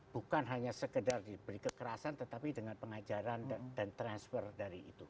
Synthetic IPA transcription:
b̥ukanɦaɲasəkədardibəɾikəkəɾasant̪ət̪apidəŋanpəŋad͡ʒaɾandant̪ɾansfərdaɾiḭt̪u

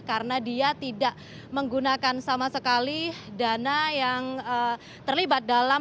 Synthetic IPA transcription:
kaɾənadiat̪idaʔ | məŋɡunakansamasəkalidanajaŋə | t̪ərlibat̪̚dala

